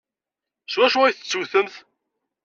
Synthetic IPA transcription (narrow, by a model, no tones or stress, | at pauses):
swæʃuæjθət͡sːuθəmθ